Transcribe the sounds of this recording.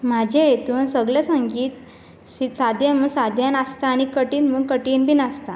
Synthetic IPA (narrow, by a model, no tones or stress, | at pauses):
m̤ad͡ʑʱejet̪uːnsəɡlasaŋɡiːt̪ | sit̪sad̪ʱjãnmuːɡsad̪ʱjanəst̪aːñikəʈiːnmuːɡ̚kəʈiːnbiːnəst̪a